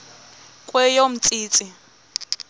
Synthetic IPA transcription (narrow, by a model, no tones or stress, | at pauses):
kʼwɛjom̩t͡sʼiːt͡sʼɪ